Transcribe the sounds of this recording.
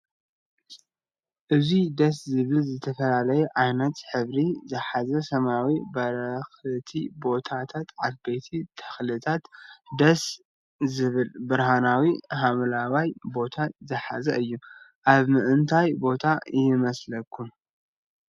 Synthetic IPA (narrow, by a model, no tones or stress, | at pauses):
ʔɨzid̪ɐs̬zɨβɨlzɨt̪ʰɐfɐlalɐjɛʔajnɐt̪ħɨβɾizɨħazɐsɐmawibɐɾɐxlɨt̪ʰibo̞t̪ʰat̪ʰat̪ʕafbejt̪ʰit̪ʰɐ̥xlɨt̪ʰat̪d̪ɐs | zɨβɨlbɨɾɦanawiɦamlawajbo̞t̪ʰat̪zɨħa̰zɐ̰ʔɨjːuʔaβmɨʔɨnt̪ʰajbo̞t̪ʰajɪmɐslɐkʰːu